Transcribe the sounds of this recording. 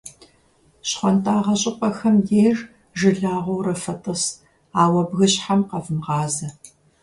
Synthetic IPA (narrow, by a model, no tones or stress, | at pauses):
ɕχʷɔntʰʼaːʁɐɕʼɪqʷʼɐxɐmjeːr | ʒɨɮaːʁʷowrɐfɐtʼɨs | aːwɐbɣɨɕħamqɐvɨmʁɑːzɐ